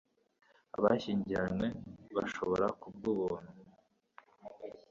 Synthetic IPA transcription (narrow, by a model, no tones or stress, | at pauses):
a̰βaçiːɲɟiɾanweβa̰ʃoβo̞̰ɾakub̚ɡuβon̥u